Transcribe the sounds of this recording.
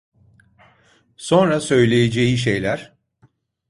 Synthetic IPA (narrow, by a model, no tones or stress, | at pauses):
so̞nɾasø̞jlʲejed͡ʒejiʃ̬e̞jlʲæɾ̥